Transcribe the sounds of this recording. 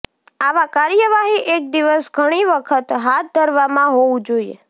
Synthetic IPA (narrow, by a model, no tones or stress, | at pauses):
aʋakaɾjəʋaɦiʔek̚d̪iʋəsɡʱəɽ̃iʋəkʰət̪ɦat̪̚ʰd̪ʱəɾʋamãɦoʋũd͡ʒoiḛ